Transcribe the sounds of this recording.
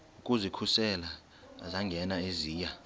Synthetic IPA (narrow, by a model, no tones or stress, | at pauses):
ukʼuzikʰusɛla̰ː | zaŋɡʱɛnaeziːja